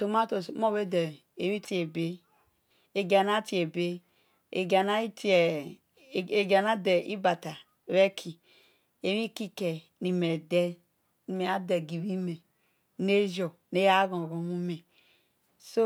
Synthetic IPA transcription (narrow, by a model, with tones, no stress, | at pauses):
to˨ma˦to˨smo˦βe˦de˨ | e˨ɾi˦ti˦e˨be˦ | e˨ɡa˨na˦ti˨˦e˨be˦ | e˨ɡa˨na˦i˦ti˦e˨ | e˨ɡa˨na˦de˨ʔi˦ba˨ta˨ | ɾe˦kʰi˨ | e˨ɾi˦ki˦ke˨ | ni˨me˨de˦ | ni˨me˨a˦de˨ɡi˨βi˦me˨ | ne˦d͡ʒo˨ | ne˦ja˦ɡo˨ɡo˨mu˦me˨ | so˦